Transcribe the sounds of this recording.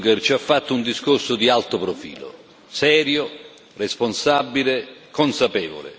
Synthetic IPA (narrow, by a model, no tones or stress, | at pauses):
ɡert͡ʃiafːat̪ːʊund̪iskorsʊd̪ialt̪ʊpɾofḭːlo̰ | sɛːɾjo | responsabːilekːonsapɛːvo̰lɪ̰